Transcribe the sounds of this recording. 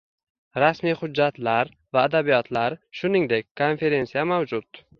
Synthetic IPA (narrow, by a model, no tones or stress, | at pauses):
ɾasmijχʊd͡ʒːat̪laɾ | vaːd̪abijɒt̪ʰlaɾʃʊnɪŋd̪e̞kʲkʰo̞nfe̞ɾe̞nsijamawd͡ʒʊt̪